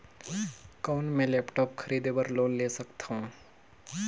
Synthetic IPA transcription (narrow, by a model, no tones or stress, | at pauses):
kɔːnmẽlɛːpʈɔːp̚kʰəɾiːd̪ebəɾloːnleːsəkt̪ʰaũ